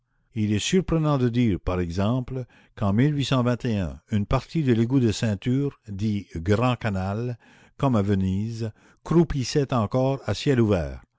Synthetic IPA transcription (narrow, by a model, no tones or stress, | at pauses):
ilɛsyʁpʁənɑ̃d̪əd̪iːʁpaʁɛɡzɑ̃pl | kɑ̃milɥisɑ̃vɛ̃t̪eœ̃ynpaʁt̪id̪əleɡud̪əsɛ̃t̪yːʁd̪iɡʁɑ̃kanal | kɔmavəniːz | kʁupisɛt̪ɑ̃kɔːʁasjɛluvɛːʁ